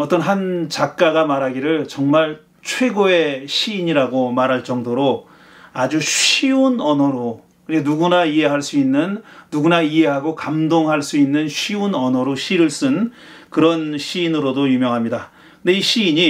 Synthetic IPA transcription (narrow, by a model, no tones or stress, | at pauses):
ʌt͈ʌnɦant͡ɕak̚k͈aɡamaɾɦaɡiɾɯɭt͡ɕʌŋmaɭ | t͡ɕʰwe̞ɡoe̞ɕʰiːɲiɾaɡomaɾɦaɭt͡ɕ͈ʌŋdoɾo | ad͡ʑuɕiunʌnʌɾo | kɯɲenuɡunaiɦe̞ɦaɭs͈uinːɯnːuɡunaiɦe̞ɦaɡokamdoŋɦaɭs͈uinːɯnɕʰiunʌnʌɾoɕʰiɾɯɭs͈ɯn | kɯɾʌnɕʰiːnɯɾodojumjʌŋɦamɲida | kɯndeiɕʰiːɲi